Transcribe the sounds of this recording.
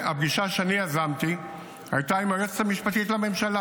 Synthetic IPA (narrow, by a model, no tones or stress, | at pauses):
abɡiʃaʃeaniazamt̪i | a̰jt̪aimaʁet͡se̥t̪amiʃpat̪it̪lame̞mʃala